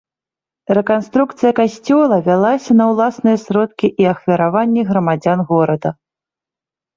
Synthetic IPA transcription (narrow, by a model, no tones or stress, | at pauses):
rɛkanst̪ɾuk̚t̪sɨjɐkasʲt͡sʲɔlˠɐvʲalˠasʲɐnɐwlˠasnɨjɐsɾɔt̪̚kʲiʔiɐxvʲɐɾavanʲːɛɣɾɐmad͡zʲanɣɔɾɐd̪ɐ